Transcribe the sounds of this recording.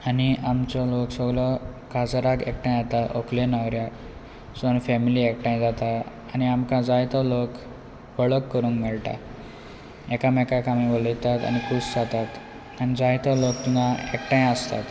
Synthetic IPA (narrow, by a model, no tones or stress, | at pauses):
aniʔamt͡ɕɔloksɔɡlɔkad͡zaɾakekʈãj̃d͡zat̪aʔokʰlenawɾja | sənfɛmiliek̚ʈãj̃d͡zat̪a | aniamkãd͡zajt̪ɔlok | ʋəɭəkːəɾũːŋkmɛɭʈa̰ | ɛkamɛkakamiʋələjt̪at̪a̰ñikusd͡zat̪at̪ | anid͡zajt̪ɔlokt̪unãekʈãjəst̪a̰t̪